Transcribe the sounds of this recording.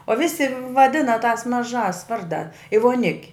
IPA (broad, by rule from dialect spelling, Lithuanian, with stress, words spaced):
oː ˈʋʲɪsʲɪ ʋɐˈdʲɪnɐ tɑːs mɐˈʒɑːs ˈʋɐrdɑː ɪ ʋoːˈnʲɪkʲ